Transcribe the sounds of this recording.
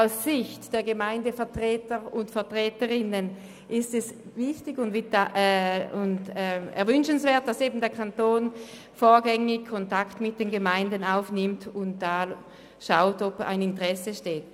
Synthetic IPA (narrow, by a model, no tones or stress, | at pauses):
aʊsːɪçtd̥eːɐɡəmaɪndəfɛɐtʁ̥ɛːtəʁʊntfɛɐtʁ̥ɛːtəʁɪnən | ʔɪstɛsvɪçtɪɡʊndvɪaʔʊndɛɛ̰ɐvʏnʃənsv̥eːɐt̚d̥aseːbn̩deːɐkʰantoːn | foːɐɡɛŋɪkʰɔntaktmɪt̚d̥enɡəmaɪndənaʊfnɪmtʊnt̚d̥aːl | ʃaʊtɔba̰ɪnɪntəʁɛsəʃteːt̚